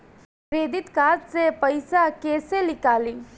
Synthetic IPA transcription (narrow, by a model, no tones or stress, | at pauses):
ɾeːd̪ɪt̪kaːd͡ʒsepɐɪsakeːselɪkaːlĩː